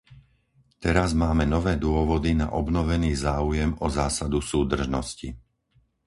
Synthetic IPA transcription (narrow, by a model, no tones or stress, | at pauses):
t̪ɛɾazmaːmɛnɔʋɛːd̪ʊɔʋɔd̪ina̰ʔɔbnɔʋɛniːzaːujɛmɔzaːsad̪usuːd̪r̩ʒnɔsci